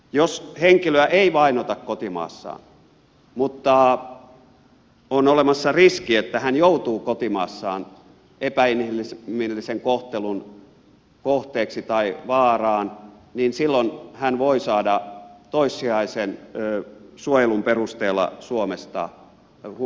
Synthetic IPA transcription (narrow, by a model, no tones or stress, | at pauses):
josheŋkiløæʔeiʋɑinot̪ɑkkot̪imɑ̰ːsːɑ̰ːn | mut̪ːɑ | onolemɑsːɑriskiet̪ːæhænjout̪uːkot̪imɑ̰ːsːɑːn | epæinilimilːiseŋkoht̪elun | koht̪eːksit̪ɑiʋɑːrɑːn | ninsilːonhænʋoisɑːdɑt̪oisːiɑisenː | suojelumperust̪eːlˑːɑ̰suomest̪ɑ̰